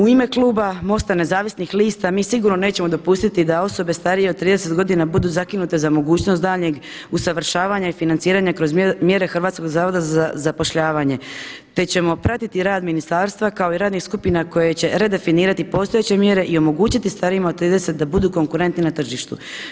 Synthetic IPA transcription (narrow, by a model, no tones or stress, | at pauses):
uime̞klˠuːbamo̞st̪ane̞zaːʋisnixliːst̪amiːsiɡuɾno̞ne̞ːt͡ɕe̞mod̪opust̪it̪id̪ao̞so̞be̞st̪aɾije̞ot̪t̪ːɾiːd̪ese̞t̪ɡo̞d̪inabud̪uːzakinut̪e̞zamo̞ɡuːt͡ɕnosd̪aːʎɲe̞ɡ | usaʋr̩ʃaːʋaːɲaifinant̪siːɾaɲakɾo̞zmje̞ɾe̞xr̩ʋaːt̪sko̞ɡzaːʋo̞d̪azaazapo̞ʃʎaːʋaːɲe̞ | t̪e̞t͡ɕe̞mo̞pɾat̪it̪iɾaːd̪minist̪aːɾst̪ʋakao̞iɾaːd̪nixskupinako̞jet͡ɕe̞ɾe̞d̪e̞finiːɾat̪ipo̞st̪oet͡ɕe̞mje̞ɾe̞ʔio̞mo̞ɡuːt͡ɕit̪ist̪aɾimaot̪ːɾiːd̪e̞se̞t̪̚d̪abud̪uːko̞ŋkuɾe̞nt̪ninat̪r̩ʒiʃt̪ṵ